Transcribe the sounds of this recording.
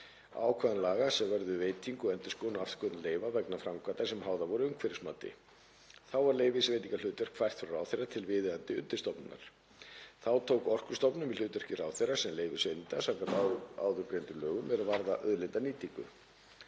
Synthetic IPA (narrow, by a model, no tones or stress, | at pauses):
a̰ːwkʰvaðanlaːɣasɛmvɛɾðʏveːjt̪ʰiŋkɔɛnt̪ɪskoːnaaft̪kʰœt̪nleːjvavɛknafɾamkʰvat̪ḁsɛmhawðavɔɾʏʏmkʰvɛɾɪsmaːt̪ɪ̰ | θawvaɾleːjvɪsvejt̪iŋkal̥ʏːt̪œr̥kʰvajr̥t̪fɾɾaːwθejrːat̪ʰɪlvɪːðɪðant̪ɪʏ̰nt̪ɪ̥st̪ɔpnɪnːa̰ɾ̥ | θawt̪ʰowkɔr̥kʏ̥st̪ɔpnʏmvɪlʏːt̪œr̥cɪraːwθejrasɛmleːjvɪsvejnt̪asawkant̪aa̰ːwðʏɾpɾient̪ʏlœːɣʏmvɛðɾavaɾðaʔœðlɪnt̪aniːt̪iŋkʏ̰